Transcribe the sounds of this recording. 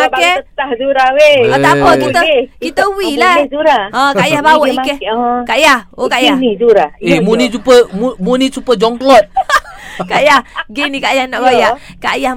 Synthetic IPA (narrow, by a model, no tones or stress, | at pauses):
akɛət̪ahd͡ʒuɾaweat̪apəkit̪əkit̪əwilad͡ʒuɾaãkaʔjahbawɔikɛhkaʔjahokajanid͡ʒuɾaemunit͡ʃupəmumunit͡ʃupəd͡ʒɔŋklɔt̚ | kaʔjahɡinikajahnɔʔɡojaʔkajah